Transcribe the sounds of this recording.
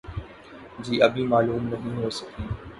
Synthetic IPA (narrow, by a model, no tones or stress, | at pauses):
d͡ʒiːɐbʱimaːluːmnɐɦĩɦoːsɐkiː